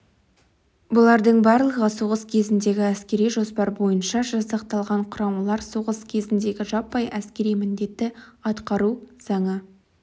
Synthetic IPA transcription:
bʊlˠɑɾd̪əɴbɑɾlˠəʁəsoʁəskʲʰe̞zɪnd̪e̞ɡʲɪæskʲe̞ɾijʒo̞spɑɾbo̞jənʃɑʒɑsɑqt̪ɑlˠʁɑɴqʰʊɾɑmɑlˠɑɾsoʁəskʲʰe̞zɪnd̪e̞ɡʲɪʒɑpːɑjʔæskʲe̞ɾijmɪnd̪e̞t̪ːɪɑt̪qɑɾuz̥ɑɴə

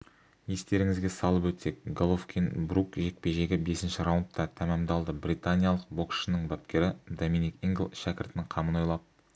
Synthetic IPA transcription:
je̞st̪e̞ɾɪŋɪzɡʲe̞sɑlˠəpwɵt̪e̞k̚ɡolˠofkʲinbrukʒe̞k̚pe̞ʒe̞ɡʲɪbe̞sɪnʃɪɾawʊnt̪ːɑt̪ʰæmɑmd̪ɑlˠd̪əbɾit̪anʲijalˠəq̚bo̞kʃənəɴbap̚kʲe̞ɾɪd̪ominikiŋɡʲlˠʃækʲɪɾt̪ɪnɪɴqʰɑməno̞jlˠɑp̚

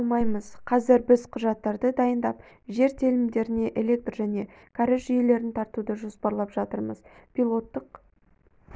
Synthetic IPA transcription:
lˠmɑjməzqʰɑzɪɾbɪzqʰʊʒɑt̪ːɑɾd̪əd̪ɑjənd̪ɑp | ʒe̞ɾt̪ʰelɪmd̪e̞ɾɪne̞ʔe̞le̞k̚t̪rʒæne̞ | kʰaɾɪʃʒʏje̞le̞ɾɪnt̪ʰɑɾt̪ud̪əʒo̞spɑɾlˠɑpʒ̥ɑt̪əɾməz̥pʲilˠo̞t̪ːəq

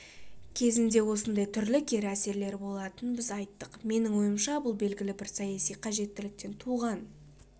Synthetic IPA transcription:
kʲʰe̞zɪnd̪e̞wo̞sənd̪ɑjt̪ʰʏɾlɪkʲʰe̞ɾæse̞ɾle̞ɾɪbo̞lˠɑt̪ənbɪzɑjt̪ːəqme̞nɪŋwo̞jəmʃɑbʊlˠbe̞lɡʲɪlɪbɪɾsɑjɑsijqʰɑʒe̞t̪ːɪlɪk̚t̪e̞nt̪ʰuʁɑn

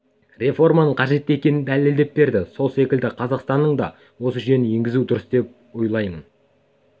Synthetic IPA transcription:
re̞fo̞rmɑnəɴqʰɑʒe̞t̪ːekʲe̞nɪnd̪æleld̪e̞p̚be̞ɾd̪ɪso̞lˠse̞kʲɪld̪ɪqʰɑzɑqst̪ɑnːəɴd̪ɑ̰ | wo̞səʒe̞nɪje̞ŋɡʲɪzud̪ʊɾəsd̪e̞p̚ | ojlˠɑjmən

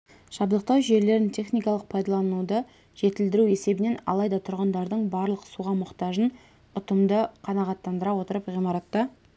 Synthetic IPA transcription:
ʒ̥ɑblˠəq̚t̪ɑwʒe̞ɾle̞ɾɪnt̪ʲʰe̞χnijkɑlˠəq̚pʰɑjd̪ɑlˠɑnud̪ə | ʒ̥e̞t̪ɪld̪ɪɾue̞se̞bɪne̞nɑ̰lˠɑjd̪ɑt̪ʰʊɾʁənd̪ɑɾd̪əɴbɑɾlˠəqsuʁɑmʊqt̪ɑʒən | ʊt̪əmd̪əqʰɑnɑʁɑt̪ːɑnd̪əɾɑwo̞t̪əɾəpʁijmɑɾɑt̪ːə

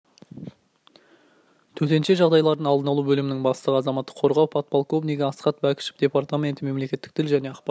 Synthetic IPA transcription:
t̪ʰɵt̪e̞nʃe̞ʒɑʁd̪ɑjlˠɑɾd̪ənɑlˠd̪ənɑlˠubɵlɪmɪnɪŋbɑst̪əʁəɑzɑmɑt̪ːə̥qʰːo̞ɾʁɑwpʰɑt̪̚pɑlˠko̞vniɡʲɪɑsqɑt̪̚bækʲɪ̥ʃɪ̥p̚d̪e̞pɑrt̪amʲe̞nt̪ɪme̞mle̞kʲe̞t̪ːɪ̥k̚t̪ʰɪlʒæne̞ɑqp

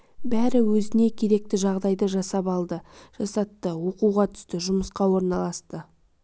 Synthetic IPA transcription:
bæɾɪwɵzɪne̞kʲʰe̞ɾe̞k̚t̪ɪʒɑʁd̪ɑjd̪əʒɑsɑpɑlˠd̪əʒ̥ɑsɑt̪ːəwo̞quwʁɑt̪ʰʏ̥st̪ɪʒʊməsqɑwo̞ɾnɑlˠɑst̪ə

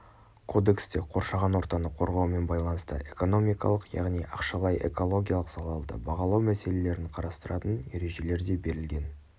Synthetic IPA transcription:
kʰo̞d̪e̞kst̪e̞qʰo̞ɾʃɑʁɑnwo̞ɾt̪ɑnəqʰo̞ɾʁɑwme̞nbɑjlˠɑnəst̪ə̰ʔe̞ko̞no̞mijkɑ̰lˠəqjɑ̰ʁnijʔɑqʃɑlˠɑjʔe̞̰ko̞lˠo̞ɡʲijalˠəqz̥ɑlˠɑlˠd̪ə̰bɑʁɑlˠɑwmæse̞le̞le̞ɾɪɴqʰɑɾɑst̪əɾɑt̪ənje̞ɾe̞ʒe̞le̞ɾd̪e̞be̞ɾɪlɡʲe̞n

